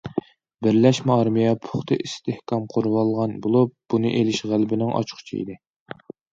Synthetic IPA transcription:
bɪɾlɛʃmɛɑɾmijɛpʰʊχt̪ʰɨʔist̪ɪhkʰɑmqʰoɾwɑlˠʁɑnbolˠup̚b̥unɨʔelɪʃʁælbɪnɪŋʔɑ̰t͡ʃʰqʰʊ̥t͡ʃʰḭḭd̪ɪ

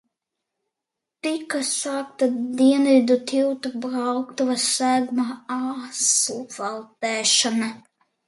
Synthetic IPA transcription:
t̪ikasaːk̚t̪ad̪iɛnvid̪ut̪ʲiwt̪ubɾawkt̪uvasæɡmaasuvalˠt̪ɛːʃana

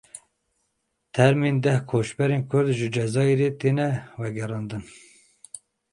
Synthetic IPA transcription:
t̪ʰɛɾmind̪ɛhkʰoːʃbɛɾeːnkʰʊɾd̪ʒɨd͡ʒɛzɑːeɾeːt̪eːnɛvɛɡɛɾɑːnd̪ɨn

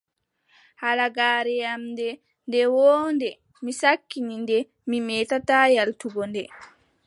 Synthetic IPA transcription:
halaɡaːɾɛjamdɛ | ndɛwɔːndɛ | misakːinindɛ | mimɛtataːjaltuɡɔndɛ

